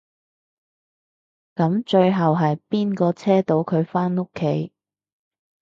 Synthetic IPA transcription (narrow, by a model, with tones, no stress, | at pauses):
kɐ˨˥mt͡ʃɵ˧ɥɦɐ˨wɦɐ˨jpiː˥nkɔː˧t͡sʰɛː˥t̪o˨˧˥wkʰɵ˨˧ɥfaː˥no˥kʰːe˨˥j